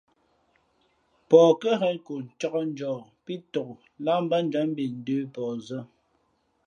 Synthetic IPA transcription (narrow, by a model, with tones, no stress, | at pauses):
pɔː˨kə˦ɦɛ˦nko˨n̩˨t͡ʃɔ˦kɔ˦n̩˦d͡ʒɔː˨pi˦tɔ˨k | la˦m̩˦ba˦n˦d͡ʒwa˨˦m˦bi˨n̩˦˨dʉː˦pɔː˨zə˦